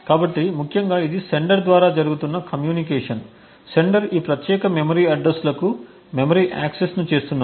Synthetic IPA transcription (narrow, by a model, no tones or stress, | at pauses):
kaːbɐʈːimukʰjɐŋɡaːid̪ise̞ɳɖɐɾd̪ʋaːɾaːd͡ʒɐɾuɡut̪unːɐkɐmjuːnikɛːʂɐn | se̞ɳɖɐɾiːpɾɐt̪jɛːkɐmemɐɾiːɐɖɾɐslɐku | memɐɾiːʔa̰ːksesnut͡ʃe̞ːst̪unːɐ